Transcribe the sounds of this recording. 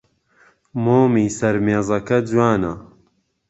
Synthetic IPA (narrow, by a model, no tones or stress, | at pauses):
moːmiːsɐɾmeːzɐkɐd͡zwaːnɐ